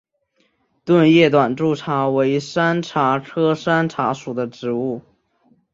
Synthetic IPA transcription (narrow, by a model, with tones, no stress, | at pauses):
t̪wə˥˧njɛ˥˩t̪wa˨˩nʈ͡ʂu˥˩ʈ͡ʂʰa˧˥we˧˥ɪʂa˥nʈ͡ʂʰa˧˥ʈ͡ʂʰɤ˥ʂa˥nʈ͡ʂʰa˧˥ʂu˨˩d̪ə˦ʈ͡ʂɻ̩˧˥u˥˩